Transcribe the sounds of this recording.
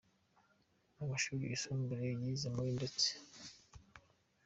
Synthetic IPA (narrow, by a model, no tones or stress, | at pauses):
namaʃuːɾiisoːmbiɾejizemuɾindet͡se̥